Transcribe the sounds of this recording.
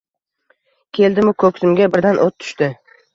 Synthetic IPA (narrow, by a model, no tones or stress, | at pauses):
kʲʰe̞ld̪ɪmʊkʰɵkʲsɪmɡʲabɪɾd̪anʔot̪ʰːʊ̥ʃt̪ɪ